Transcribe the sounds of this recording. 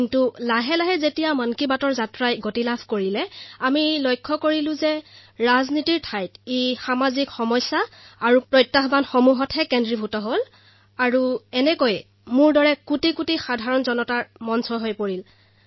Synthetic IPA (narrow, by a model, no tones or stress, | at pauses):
kintulaɦɛlaɦɛzetijamankibatɔɹzatɹajɡotilabʰʱkoɹilɛamilojkʰːɔkoɹilʊ̃zɛɹaznitiɹtʰajtexamazikxɔmɔjsːaːɹupɹɔjtːaɦbanxɔmuɦɔtɦɛkɛndɹibʱutɔɦol | aɹuɛnɛkoj | mʊɹdɔɹɛkutikutixadʱaɹɔnzɔnɔtaɹmɔnsɔɦojpoɹil